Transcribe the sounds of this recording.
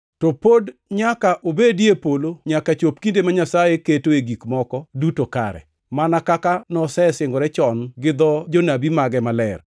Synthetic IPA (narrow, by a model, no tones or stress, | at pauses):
topodɲakaʔobedjepoloɲakat͡ʃop̚kindemaɲasajeketoeɡikmɔkɔdutoka̰ɾɛ̰ | manakakanɔsɛsɪŋɡɔɾɛt͡ʃɔnɡɪd̪ɔd͡ʒonabimaɡɛmalɛr